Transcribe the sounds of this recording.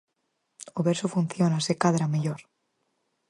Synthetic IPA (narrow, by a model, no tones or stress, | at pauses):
oβeɾsofunθjonasekaðɾameʎoɾ